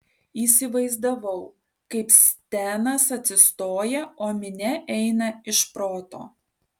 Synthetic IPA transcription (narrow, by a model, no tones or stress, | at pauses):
iːsʲɪʋɐɪzd̪ɐʋɐʊ | kɐɪpsʲt̪ʲæːnɐsɐt̪ʲsʲɪst̪oːjɛoːmʲɪnʲɛʔɛɪnɐɪʃpɾoːt̪o̰ː